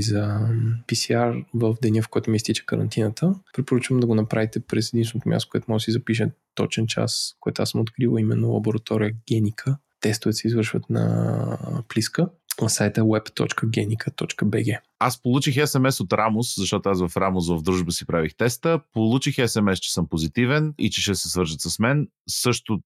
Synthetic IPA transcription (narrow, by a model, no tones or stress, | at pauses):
zɐpisiaɾvəfd̪ɛniəfkoɔɛt̪ʊmist̪it͡ʃə̥kəɾɐ̰nt̪inət̪ʰəpɾɛt̪poɾət͡ʃvəmd̪ɐɡonɐpɾavit̪ɛpɾɛsɛd̪insvɛnot̪ʊmʲa̰st̪okoɛt̪mɔɡd̪sizɐpiʃ̬t̪ɔ̰t͡ʃɛnt͡ʃa̰skojɛt̪oʊasəmot̪kɾilˠɐimɛ̰nːolˠɐ̰boɾɐt̪ɔɾiəɡ̥ʲɛnʲikʰə | t̪ɛst̪ʊvɛt̪sɛizvəɾʃvə̰t̪nɐ̰ | pliskə | nɐsajt̪əwɛpt̪ɔ̰t͡ʃkəɡʲɛnikʰət̪ɔt͡ʃkəbɛɡʲɛ | aspolˠut͡ʃixɛsɛmɛsot̪ɾʔamʊszɐʃt̪ɔt̪ʊasvɐfɾamʊsvəvd̪ɾuʒbəsipɾavixt̪ɛst̪əpolˠut͡ʃixɛsɛmɛst͡ʃɛ̥sɤmpozit̪ivɛnḭt͡ʃɛʃɛsɛsvɤɾʒət̪səsmɛn | sɤʃt̪ʊ